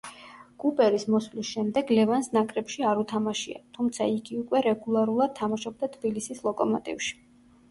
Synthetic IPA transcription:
ɡ̥upʼɛɾismɔslisʃɛmd̪ɛɡlɛvansnakʼɾɛpʃiaɾut̪ʰamaʃia̰t̪ʰumt̪sʰa̰iɡiukʼwɛɾɛɡulˠaɾulˠad̪̚t̪ʰːamaʃɔb̚d̪at̪ʰb̥ilisislˠɔkʼɔmɔt̪ʼḭfʃi̥

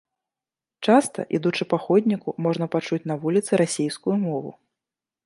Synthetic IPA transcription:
t͡ʂast̪ɐ̰ʔid̪ut͡ʂɨpaxɔdʲnʲikumɔʐnɐpat͡ʂut͡sʲnɐvulʲit̪sɨɾasʲejskujumɔvṵ

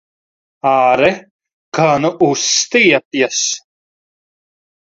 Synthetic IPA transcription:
aːɾɛ | kanuʔust̪ijɛpjas

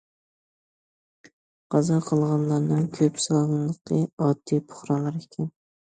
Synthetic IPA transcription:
qɑzɑqʰəlˠʁɑnlˠɑɾnɨŋkʲʰøpsɑlˠɑnlˠəq̪ɨɑd̪̥ːipʰʊ̥χɾɑnlˠɑɾekʲʰɛn

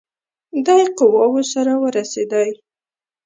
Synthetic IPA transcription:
d̪ɑjqʊwɑwosaɾawəɾased̪aj

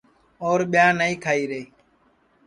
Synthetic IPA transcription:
oːɾɓjãːnəĩːkʰaːiːɾeiː

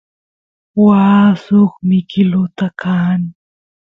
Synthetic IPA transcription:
waːsoχmɪkɪlʊt̪akaːn

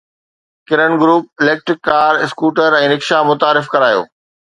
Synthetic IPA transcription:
kɪɾəɳɡɾuːp̚ɪleːk̚ʈɾɪkːaːɾɪskuːʈəɾɛ̃ːnɪkʃamʊt̪aːɾɪfkɐɾaːjo̰ː

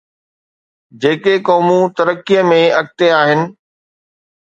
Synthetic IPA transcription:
d͡ʑeːkekɔːmũt̪ɐɾəkːijəmẽɐk̚t̪eaːɦɪnɪ̆

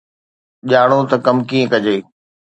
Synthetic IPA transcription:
ʄaːɽ̃ot̪ɐkɐmkiːə̃kɐd͡ʑeː

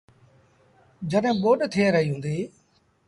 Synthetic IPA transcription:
d͡ʒəɗɦɪ̃ːɓoːɗt̪ʰiẽːɾəɦiːɦũːnd̪iː

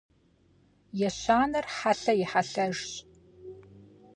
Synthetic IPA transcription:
jɛɕʷaːnɐrħaɬɐjɪħaɬɐʒɕ

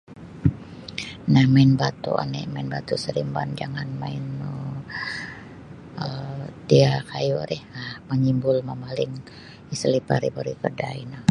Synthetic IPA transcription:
nahmainbat̪ṵʔa̰nɛmainbat̪usəɾimba̰nd͡ʒaŋanmain | ət̪iakajuɾɛhahməɲimbʊlmamalɪŋ | isəlipaɾibaɾikərdaina

